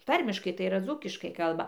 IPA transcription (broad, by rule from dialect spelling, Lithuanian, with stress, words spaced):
ˈtɐrʲmʲɪʃkɐɪ tɐɪ iːˈrɐ ˈd͡zuːkʲɪʃkɐɪ ˈkɐlˠbɐ